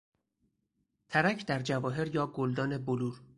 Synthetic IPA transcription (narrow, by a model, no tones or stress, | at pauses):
t̪ʰæɾæcʰd̪æɾd͡ʒævɒːɦe̞ɾjɒːɡold̪ɒːne̞boluːɾ